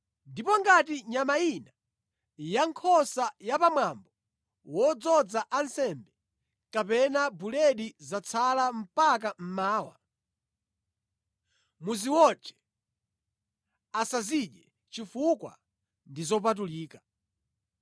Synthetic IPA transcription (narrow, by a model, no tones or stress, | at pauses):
ndipɔŋɡat̬iɲamaina | jaŋkʰɔsajapamwambɔ | wɔd͡zɔd͡zaʔansɛmbɛ | kapɛnabulɛɗizat͡sʰalam̩pakam̩maːwa̰ | muziwɔt͡ʃɛ̥ | asaziɗɛ | t͡ʃifukwa̰ | ndizɔp̬at̬uliːka